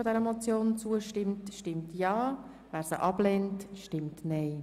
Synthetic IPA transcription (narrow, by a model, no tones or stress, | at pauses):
odɛɾəɛmɔt͡sjoːnt͡suəʃtɪmtʃtɪmtjɑː | væːɾsəʔɑb̥lɛntʃtɪmtnɛɪ